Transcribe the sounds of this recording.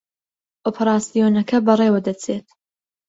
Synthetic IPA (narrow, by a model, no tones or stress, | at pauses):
ʔopʰɐɾaːsijoːnɐkʰɐbɐrˤewɐd̪ɐt͡sʰeːt̪̚